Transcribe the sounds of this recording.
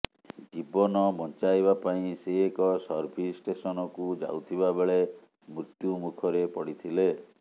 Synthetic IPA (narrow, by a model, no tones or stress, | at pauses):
d͡ʒibɔnɔbɔnt͡ʃajbapaĩseːkɔsɔɾbʱisʈesɔnɔkud͡ʒa̰wt̪ʰibabeɭe | mɾut̪jumukʰɔɾepɔɽit̪ʰile